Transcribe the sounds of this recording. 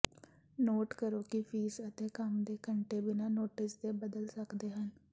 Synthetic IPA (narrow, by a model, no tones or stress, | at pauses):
noːʈkəɾoːkipʰiːsət̪eːkəmd̪eːkəɳʈeːbɪnãːnoːʈɪsd̪eːbəd̪əlsəkd̪eːɦən